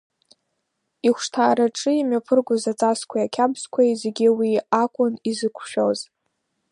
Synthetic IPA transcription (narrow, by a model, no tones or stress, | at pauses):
iχʷʂtʰaːɾaʈ͡ʂʼɨimɥapʰɨrɡʷʊzat͡sʼaskʷʰajakʲʰabzkʷʰajze̞ɡʲiwiakʷʼʊnizɨkʷʰʃᶣoz